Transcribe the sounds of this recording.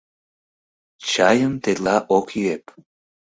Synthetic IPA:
t͡ʃajəmt̪elaʔokʰjep

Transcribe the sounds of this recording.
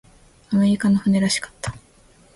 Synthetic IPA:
amoikanoɸɯ̟ne̞ɾaɕi̥kḁt̪ːḁ

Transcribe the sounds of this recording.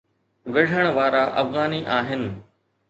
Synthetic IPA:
ʋɐɽ̤ʱəɽ̃ʋaːɾaʔɐ̰fɣaːniʔaːɦɪnɪ̆

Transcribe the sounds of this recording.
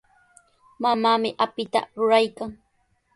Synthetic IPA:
mamaːmɪʔapɪt̪a̰ɾʊɾajkaŋ

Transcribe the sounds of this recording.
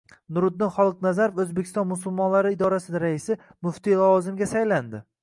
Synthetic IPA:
nʊɾʊd̪ːɪnχɒlˠɨqnazaɾofɵzbekʲʰɪ̥st̪ɒnmʊsʊlˠmɒnlaɾɪːd̪ɒɾasɪd̪ɾaɪsɪ | mʊft̪ilavɒzɪmɡʲasajland̪ɪ

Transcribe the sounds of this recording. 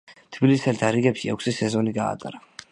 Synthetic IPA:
t̪ʰbilisɛlt̪ʰaɾiɡɛpʃiɛkʷʰsisɛzɔniɡa̰ːt̪ʼa̰ɾa

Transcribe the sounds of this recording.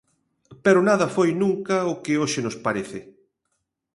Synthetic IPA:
peɾʊnaðɐfojnũŋkɐʊkɪoʃɪnʊspaɾeθɪ

